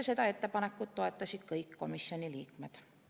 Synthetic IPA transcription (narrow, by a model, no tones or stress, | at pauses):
set̪æet̪ːepɑnekːut̪t̪oɑt̪ːɑsit̪kɑikko̰misjoniliːkmet̪